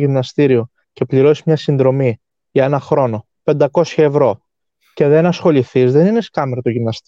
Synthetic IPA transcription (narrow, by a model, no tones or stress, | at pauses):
ʝimnɐst̪iɾio | ce̞pliɾo̞sizmɲɐsinðɾo̞mi | ʝɐe̞nɐxɾo̞no̞ | pe̞nd̪ɐko̞sçɐe̞vɾo̞ | ce̞ðe̞nɐsxo̞liθizðe̞nine̞skɐmeɾot̪oʝimnɐst̪